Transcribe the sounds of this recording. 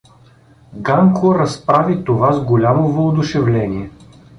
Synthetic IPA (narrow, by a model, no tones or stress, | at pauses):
ɡaŋkʰoɾɐspɾavit̪ovazɡolʲamovood̪ʊʃɛvlɛnʲiɛ